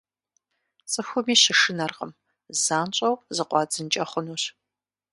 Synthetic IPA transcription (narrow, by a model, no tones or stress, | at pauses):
t͡sʼɨxʷʊmiːɕɪʂɨnɐrqə̰m | zaːnt͡ʃʼɐwpʰʼzɨqʷɑːd͡zɨnt͡ʃʼɐχʷʊnuːɕ